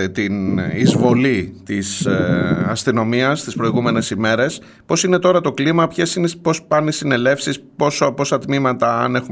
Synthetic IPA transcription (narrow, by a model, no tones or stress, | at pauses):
t̪inizvo̞lit̪is | ɐst̪ino̞miɐst̪ispɾo̞iɣume̞ne̞sime̞ɾe̞s | po̞sine̞t̪o̞ɾɐt̪o̞klimɐpçe̞sinepo̞spɐnisine̞le̞fsispo̞sopo̞sɐt̪mimɐt̪ɐːne̞xu